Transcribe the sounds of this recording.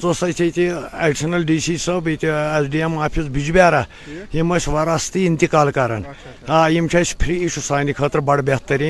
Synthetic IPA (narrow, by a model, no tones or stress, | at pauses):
t͡sosɐjt̪ʲʰɐt̪ʲiaɖisɐnɐlɖisiːsɐbet̪ʲiesɖiemaːpʰisbid͡ʒubʲaːɾa | jimɐsʲʋɐɾaːst̪iːnt̪ikaːlkaɾɐ̰n | aːjimt͡ʃʰɐsʲpʰɾiiʃʰusaːnikʰɐːt̪ɾbɐɽbʲet̪ːɐɾʲi